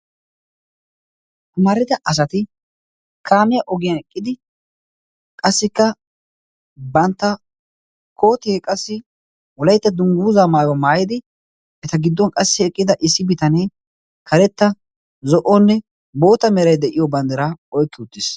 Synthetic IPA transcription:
kʊmaːɾɪd̪ɐʔɐs̬ɐt̪ɪ | kaːmɪjaʔɔɡɪjɐnɛkʼːɪd̪ɪ | kʼɐsːɪkːɐ | bɐnt̪ːɐ | kʰo̞ːt̪ɪekʼɐsːɪ | wɔlɐjt̪ːɐd̪ʊŋɡuːzaːmaːjwɔmaːjɪd̪ɪ | ʔɛt̪ɐɡɪd̪ːɔnkʼɐsːɪɛkʼːɪd̪ɐʔɪsːɪbɪt̪ɐneː | kʰɐɾɛt̪ːɐ | zɔʔɔnːɛ | bo̞ːt̪ɐmɛɾɐjd̪ɛʔɪjɔbɐnd̪ɐɾaɔjkːɪʊt̪ːɪs

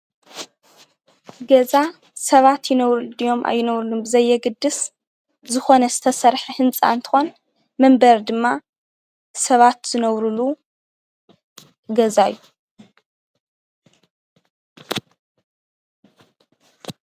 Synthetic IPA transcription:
ɡɐza | sɐβat̪jɪnɐβɾɨd̪ijo̞mʔa̰jːɪnɐβɾulumbɨzɐjːɛɡɨd̪ːɨs | zɨxo̞nɐzɨt̪ʰɐsɐɾħɨhɨnt͡sʼa̰nt̪ʰɨ̥xo̞n | mɐmbɐɾd̪ɨmːa | sɐβat̪z̥ɨnɐβɾulu | ɡɐzajːu

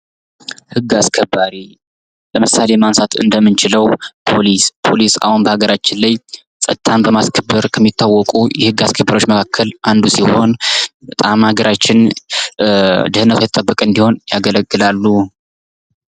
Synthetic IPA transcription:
hɨɡːaskʰəbːaɾi | ləmɨsalemansat̪ʰɨ̰nd̪əmːɨnt͡ʃɪləwpʰo̞lispʰo̞lisa̰hunbəhaɡəɾat͡ʃːɪnlaj | sʼə̰t̪̚t̪ʰːanbəmaskʰəbːɨɾkʰəmːit̪ːawːɔkʼujɛhɨɡːaskʰəbːəɾawot͡ʃːməkʰakʰːəlʔand̪usiho̞nbət̪ʼamhaɡəɾat͡ʃːɪn | d̪ɨhɨnːət̪ʰwjɛtt̪ʼəbːəkʼəɨnd̪iho̞njaɡələɡːɨlalːu

